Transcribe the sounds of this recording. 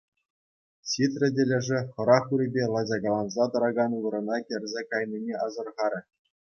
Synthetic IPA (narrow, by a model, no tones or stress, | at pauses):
ɕʲit̪rʲɘ̆dʲĕlʲɘ̆ʐɘ̆χɤ̆ɾɑχuɾʲɘ̆bʲelˠɑd͡ʑɑɡɑlˠɑnzɑd̪ɤ̆ɾɑɡɑnuʋɤ̆ɾɤ̆nɑkʲɘ̆rʲzʲekɑjnʲinʲeʔɑzɤ̆rʁɑɾʲɘ̆